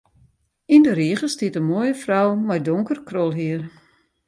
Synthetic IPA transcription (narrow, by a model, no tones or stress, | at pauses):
indəɾiəχəstiətənmoːjəfrawmɔjdoŋkərkrolˠɦiər